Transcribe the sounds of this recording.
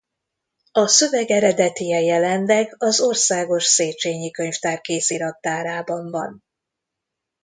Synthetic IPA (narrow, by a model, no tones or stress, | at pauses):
ɒsøvɛɡɛɾɛd̪ɛt̪ijɛjɛlɛnlɛɡɒzo̞rsaːɡo̞ʃseːt͡ʃeːɲikøɲft̪aːrkeːsiɾɒt̪ːaːɾaːbɒɱvɒn